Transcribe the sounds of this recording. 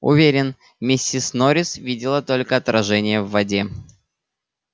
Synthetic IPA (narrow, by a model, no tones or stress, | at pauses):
ʊ̰vʲeɾʲɪn | mʲɪsʲːisnoɾʲɪsvʲidʲɪlˠət̪o̞lʲkəɐt̪ɾɐʐɛnʲɪjəvːɐdʲe